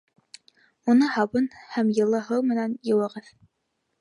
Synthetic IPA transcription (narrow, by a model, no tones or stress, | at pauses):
unɤhɑβɤnhæmjɤ̆lˠɤɦɤwmɘ̆nænjɤ̆wɤ̆ʁɤð